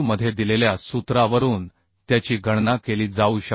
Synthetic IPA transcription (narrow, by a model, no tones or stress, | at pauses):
məd̪ʱːjed̪ileljasut̪ɾaʋəɾuːn | t̪jat͡ɕiːɡʱəɽnakeliːd͡zauːɕə